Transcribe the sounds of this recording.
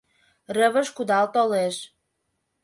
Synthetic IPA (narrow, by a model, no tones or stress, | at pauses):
rəβə̆ʃkud̪ɑlt̪oleʃ